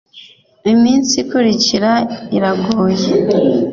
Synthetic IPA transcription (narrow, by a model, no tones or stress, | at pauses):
imiːnsikuɾiciɾaiɾaɡoːje